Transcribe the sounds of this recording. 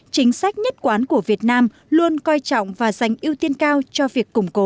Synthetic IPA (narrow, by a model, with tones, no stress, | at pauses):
t͡ɕï˨˦ŋ̟sa˦˥jk̟̚ɲə˦˥t̚kwaː˨˦nku˧˩əvi˨˩ət̚naː˧m | lu˧ənkɔ˧jt͡ɕɔ̰˧˨wŋ͡mvaː˨˩za˨˩jŋ̟ʔi˧wt̪i˧ənkaː˧wt͡ɕɔ˧vi˨˩əkːʊ˨˩ŋ͡mko˨˦